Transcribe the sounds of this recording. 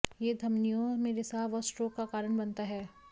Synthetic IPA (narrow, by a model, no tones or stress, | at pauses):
jed̪ʱɐmnijõmẽɾɪsaːʋɔsʈɾoːkːakaːɾəɽ̃bɐnt̪aɦɛː